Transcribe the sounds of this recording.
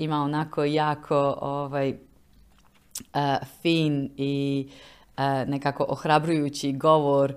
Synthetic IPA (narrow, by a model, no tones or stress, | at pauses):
imaonakʰojaːkʰooʋaːj | əfiːni | ənekaːko̞ʔoxɾabɾujuːt͡ɕiɡoʋoɾ